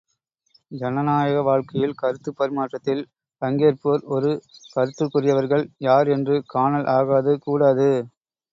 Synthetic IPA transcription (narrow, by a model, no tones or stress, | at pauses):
d͡ʒɐnɐnaːjɐɣɐʋaːɻkɐjɪlkɐɾɯt̪ːɯpːɐɾɪmaːʈrɐt̪ːɪl | ɐŋɡeːɾpuɾɔɾɯkɐɾɯt̪ːɯkːʊrɪjɐʋɐɾɣɐɭjaːɾɛndrɯkaːnɐlʔaːɣaːðɯkuːɽaːðɯ